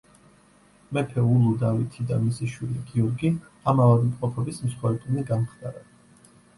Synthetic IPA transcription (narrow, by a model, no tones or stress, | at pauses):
mɛpʰɛulˠud̪avit̪ʰid̪amisiʃwiliɡiɔɾɡi | amavad̪mqʼɔpʰɛbismsχwɛɾɛbuniɡamχd̪aɾa